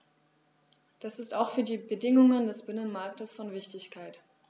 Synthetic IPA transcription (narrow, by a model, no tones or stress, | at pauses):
d̥asɪstaʊxfyːɐdiːbədɪŋʊŋəndɛsb̥ɪnənmaɐk̚təsfɔnvɪçtɪçkʰaɪt